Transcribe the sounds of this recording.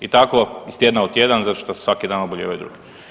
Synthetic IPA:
it̪akoist̪jed̪naot̪ʲːjed̪anzat̪o̥ʃt̪ose̥sʋakid̪aːnoboʎeʋejd̪ɾṵːɡi

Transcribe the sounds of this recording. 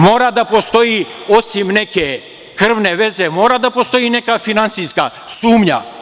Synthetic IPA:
moːɾad̪apost̪oiosimneke | kr̩ʋneʋezemoːɾad̪apost̪oinekafinansiska̰ | suːmɲa̰

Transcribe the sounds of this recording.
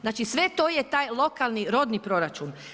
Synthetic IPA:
znaːt͡ʃisʋe̞t̪oːjet̪aːjlˠo̞kalˠniɾo̞d̪nipɾo̞ɾat͡ʃun

